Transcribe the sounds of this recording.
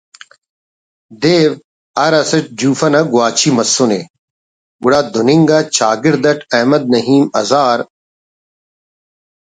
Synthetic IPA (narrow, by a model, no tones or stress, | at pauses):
d̪eːʋ | ɐɾɐsɐʈ̚d͡ʑuːfɐnɐɡʊaːt͡ʃʰimɐsːune | ɡʊɽaːd̪ʊnɪŋɡat͡ɕaːɡɪɾd̪ɐʈʰɐɦmɐd̪̚nɐɦiːmɐzaːɾ